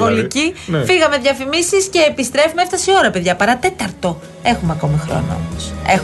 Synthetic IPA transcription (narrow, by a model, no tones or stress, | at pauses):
o̞licifiɣɐme̞ðʝɐfimisisce̞ːpist̪ɾe̞fumeeft̪ɐsio̞ɾɐpe̞ðʝɐpɐɾɐt̪e̞t̪ɐɾt̪o̞ | e̞xumeɐko̞mixɾo̞̰no̰o̰mosex